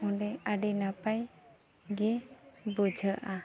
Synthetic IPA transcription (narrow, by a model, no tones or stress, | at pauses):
ɔ̃ɖɛaɖinapaj | ɡɛbud͡ʒʱəʔa